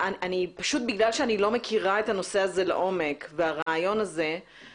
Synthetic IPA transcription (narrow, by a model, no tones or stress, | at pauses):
ananipaʃut̪̚biɡlalʃeanilo̞me̞kʰiʁae̞thano̞se̞aze̞lḛʔo̞me̞kveaʁaːjo̞naze̞